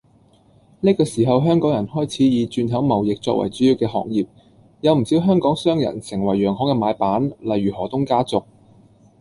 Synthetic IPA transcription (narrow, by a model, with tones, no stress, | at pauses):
ni˥kɔː˧siː˨˩ɦɐ˨wɦœː˥ŋkɔː˨˥ŋjɐ˨˩nhɔː˥jt͡sʰiː˨˥jiː˨˧t͡ʃyː˧nɦɐ˨˥wmɐ˨˩wjɪ˨k̚t͡sɔ̰ː˧k̚wɐ̰˨˩jt͡syː˨˥jiː˧wkɛː˧ɦɔ̰ː˨ŋ̚jiː˨p̚ | jɐ˨˧wm̩˨˩siː˨˥wɦœː˥ŋkɔː˨˥ŋsœː˥ŋjɐ̰˨˩nsɪ˨˩ŋwɐ˨˩jːœː˨˩ŋhɔː˨˥kɛː˧maː˨˥jpaː˨˥nlɐ˨jɥyː˨˩hɔː˨˩t̪ʊ˥ŋkaː˥t͡sʊ˨k̚